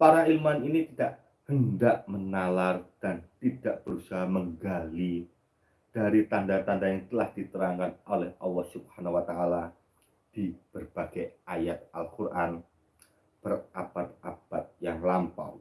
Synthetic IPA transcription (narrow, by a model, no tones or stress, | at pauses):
paɾailmuaninit̪idaʔ | həndaʔmənalard̥ant̪idaʔb̥əɾusaɦaməŋɡali | d̥aɾit̪andat̪andajaŋt̪əlahd̥it̪əɾaŋkanolɛhʔɑlːɑhsub̥hanawat̪aʔala | d̥ib̥ərb̥aɡajajat̪̚alkurʔan | b̥ərab̥at̪̚ab̥at̪̚jaŋlampa̰w